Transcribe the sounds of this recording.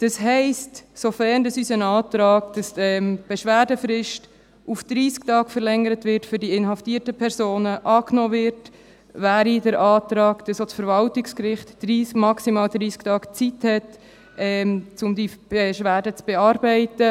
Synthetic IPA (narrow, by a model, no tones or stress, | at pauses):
d̥ɑsɦɛɪstsofɛndɑsysənɑːtɾɑːɡd̥ɑsɛmb̥eʃʋæːdəfɾɪʃt | ufd̥ɾiːsktɑːɡfəɾlɛŋəɾətvɪɾtfʏɾdiɪnɦɑftiːtəpʰɛɾsoːnəʔɑːknɔːvɪɾt | væːɾidəɾʔɑːtɾɑːɡd̥ɑsosfəɾvɑltɪkskɾɪχtd̥ɾiːsmɑksimɑːldɾiːsktɑːɡ̥t͡sithɛt | ɛmt͡sʊmdib̥ɛʃʋæːdət͡sb̥ɛɑːɾbɛɪtə